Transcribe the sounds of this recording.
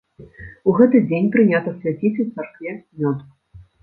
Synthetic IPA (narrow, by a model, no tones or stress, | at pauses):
uɣɛt̪ɨd͡zʲenʲpɾɨnʲat̪ɐsʲlʲat͡sʲit͡sʲt̪sarkvʲɛmʲɔt̪u